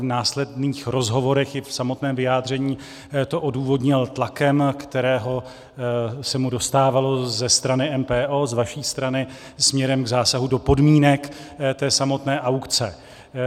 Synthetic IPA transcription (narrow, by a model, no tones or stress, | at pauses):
vnaːslɛdniːxɾo̞zɦo̞vo̞ɾɛxjɪfsamo̞t̪nɛːmvɪjaːd̪r̝ɛɲiː | t̪o̞ʔo̞duːvo̞dɲɪlt̪lakɛmkt̪ɛɾɛːɦo̞ | sɛmudo̞st̪aːvalo̞zɛst̪ɾanɪʔɛmpɛːʔoːzvaʃiːst̪ɾanɪ | smɲɛɾɛmɡzaːsaɦudo̞po̞dmiːnɛkt̪ɛːsamo̞t̪nɛːʔawkt͡sɛ